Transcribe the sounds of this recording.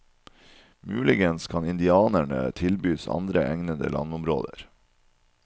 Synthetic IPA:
mʉːlɪɡənskʰɑnɪnd̪ɪɑːnæɳə̰t̪ʰɪlbyːsɑ̰nd̪ɾəʔæŋnəd̪ə̰lʔɑ̰nʊmɾo̰ːd̪əɾ

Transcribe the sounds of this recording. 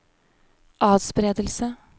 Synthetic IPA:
ʔɑːd̪spɾeːd̪əl̩sə

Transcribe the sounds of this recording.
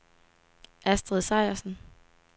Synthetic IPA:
ʔæsd̥ʁɛðˠsɑ̈ɪ̰ɐsn̩

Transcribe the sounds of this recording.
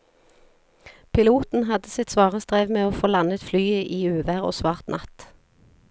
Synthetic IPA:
pʰɪluːt̪n̩ɦɑd̪əsɪt̪sʋɑːʁəsd̪ʁeːʋmeːoːfoːlɑnət̪flyːəʔiːʉːʋæʁo̰ːsʋɑːʁt̪nʔɑt̪

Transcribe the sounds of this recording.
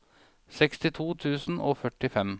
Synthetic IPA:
sɛkst̪ɪt̪ʰuːt̪ʰʉːsn̩ʔoːfœʈːɪfɛm

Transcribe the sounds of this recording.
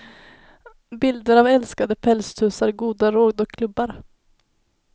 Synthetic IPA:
bɪld̪əɾavɛlskad̪əpʰɛlst̪ʰʉ̟ːsaɾɡuːd̪aɾoːd̪ɔkʰːlɵbːaɾ

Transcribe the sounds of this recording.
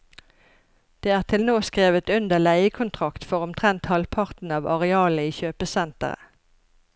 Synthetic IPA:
d̪̥eːæːʁt̪ʰɪlnoːskʁeːʋət̪ʉnd̪əlæɪəkʰʊnt̪ʰʁɑkt̪fɔʁʊmt̪ʰʁɛnt̪hɑlpʰɑʁt̪n̩ɑːʋɑʁɛɑːləiːçøːpəsɛnt̪ə̰ʁə̰

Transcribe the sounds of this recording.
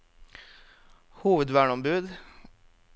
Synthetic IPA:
huːʋəd̪ʋæːɳɔmbʉːd̪

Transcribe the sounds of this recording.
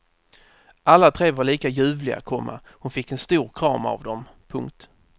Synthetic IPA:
ʔalːat̪ʰɾeːvaɭiːkajʉ̟ːvlɪa̰t̪kʰɔmːa̰ | hʊnfɪkːɛnst̪uːɾkʰɾɑːma̰vd̪ɔmpʰɵŋk̚t̪

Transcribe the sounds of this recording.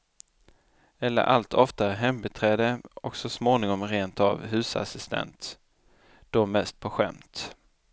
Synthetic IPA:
ɛlːə̰ɾʔalt̪ʰɔft̪aɾɦɛmbɛt̪ʰɾɛːd̪əɔksɔsmoːnɪŋɔmɾeːnt̪a̰vɦʉ̟ːsa̰sɪst̪ʰɛ̰nt̪ | d̪̥ɔmɛst̪̚pʰɔɧɛ̰mt̪

